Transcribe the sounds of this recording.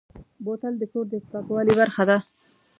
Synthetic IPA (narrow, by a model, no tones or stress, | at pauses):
bot̪ald̪əkoɾd̪əspakwɑlibaɾxad̪a